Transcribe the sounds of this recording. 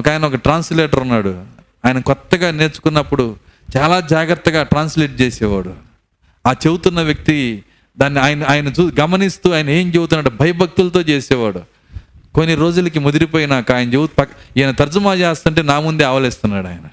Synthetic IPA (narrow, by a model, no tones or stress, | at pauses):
ɔkaːjɐnɐɔkɐʈɾaːnsleːʈɐɾunːaːɽu | aːjɐnɐkɔt̪ːɐɡaːne̞ːt͡ʃu̥kunːɐpːuɽu | t͡ʃaːlaːd͡ʒaːɡɾɐt̪ːɐɡaːʈɾaːnsleːʈ̚t͡ʃeːsɛːʋa̰ːɽu | aːt͡ʃebut̪unːɐʋjɐk̚t̪i | d̪aːnːiaːjɐnɐaːjɐnɐt͡ʃuːɡɐmɐnist̪uːaːjɐnɐeːmd͡ʒebut̪unːaːɽubʱɐjɐbʱɐk̚t̪ulɐt̪o̞ːt͡ʃeːsɛːʋaːɽu | konːiɾo̞ːd͡ʒulɐkimod̪iɾipoːjinaːkaːjɐnɐd͡ʒewt̪pɐkajɐnɐt̪ɐɾd͡ʒumaːt͡ʃɛːst̪uɳʈeːnaːmund̪eaːʋɐlɛːst̪unːaːɽaːjnɐ